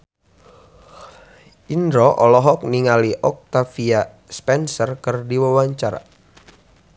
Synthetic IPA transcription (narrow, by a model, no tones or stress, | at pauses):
ʔindɾɔʔɔlɔɦɔk̚niŋaliʔɔk̚t̪afia | spɛnsərkɨrdiwawaɲt͡ʃaɾa̰